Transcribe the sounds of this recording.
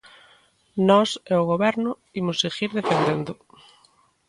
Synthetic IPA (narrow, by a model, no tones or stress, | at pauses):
nɔseʊɣoβɛɾnʊ | imʊseɣiɾðefend̪end̪ʊ